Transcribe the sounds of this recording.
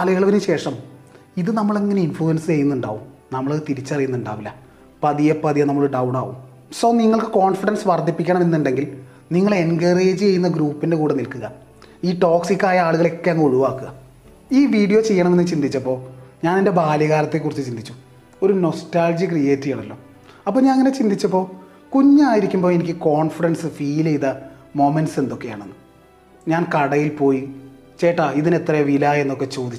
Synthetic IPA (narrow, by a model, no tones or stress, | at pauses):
ɐlɐjɐɭɐʋinɨɕe̞ːʂɐm | iðɨnɐmːɐɭe̞ŋːɐne̞infɭuɐnsɨt͡ɕe̞jːunːuɳɖa̰ːʋumnɐmːɐɭt̪iɾit͡ɕːɐrijunːuɳɖa̰ːʋilːɐ | pɐðijɐpɐðijɐnɐmːɐɭɖɐwɳa̰ːʋṵm | soːniŋːɐɭkɨko̞ːnfiɽɐnsʋɐrd̪ʱipːikʲːɐɳɐme̞nːuɳɖe̞ŋɡil | niŋːɐɭe̞nɡɐreːd͡ʑɨt͡ɕe̞jːunːɐɡɾuːpːinde̞kuːɽenilkuɣɐ | iːʈo̞ːksikʲːaːjɐaːɭuɣɐɭe̞kːeɐŋɡuɻuʋaːkːuɣɐ | iːʋiːɽijo̞ːt͡ɕe̞jːɐɳɐme̞nːɨt͡ɕind̪it͡ɕːɐpːo̞ːɲaːnende̞baːljɐɣaːɾɐt̪ːe̞kːurit͡ɕːuɨt͡ɕind̪it͡ɕːu | o̞ɾuno̞staːld͡ʑikrijeːtːijaːɳɐlːo̞ː | ɐpːoːɲaːnɐŋːɐnet͡ɕind̪ʱit͡ɕːɐp̬ːo̞ː | kuɲːaːjiɾikʲːumboːe̞nikʲːɨko̞ːɳfiɽɐnsɨfiːlejðɐ | mo̞menɖse̞nd̪o̞kːe̞ja̰ːɳonːɨ | ɲaːnkɐɽɐjilpo̞ːji | t͡ɕe̞ːʈːaiðine̞t̪rɐjeʋilae̞nːo̞kːe̞t͡ɕo̞ːd̪it͡ɕːu